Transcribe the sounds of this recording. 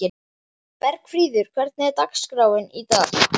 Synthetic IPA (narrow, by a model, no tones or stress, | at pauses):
ɪ | pɛɾkfɾiːðʏɾ̥kʰv̥ɛɾt̪̚nɪɛɾt̪akskɾaːwɪnit̪aːx